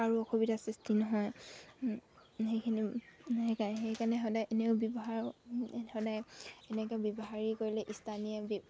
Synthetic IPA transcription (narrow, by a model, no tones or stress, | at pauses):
aɹuɔkʰobitasistinɔɦɔj | xejkʰiniekaxejkanɛɦɔdajʔneʊbjɔbɔɦaɹhɔdajɛnɛkɛbɔbɔɦaɹikoɹilɛʔistʰaniab